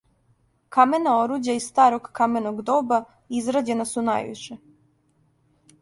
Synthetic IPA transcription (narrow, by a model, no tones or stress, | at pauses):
kamenao̞ɾuːd͡ʑaisst̪aːɾo̞ɡkamenoɡd̪oːba | izɾad͡ʑe̞nasuna̰jʋḭʃe